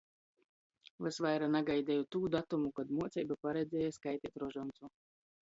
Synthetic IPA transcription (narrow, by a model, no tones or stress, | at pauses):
vɛsvajɾanaɡajd̪ʲɛːjɔt̪uːd̪at̪umukad̪muɔt̪sʲɛjbapaɾɛd̪zʲɛːjaskajt̪ʲiːt̪ɾɔʒɔnt̪su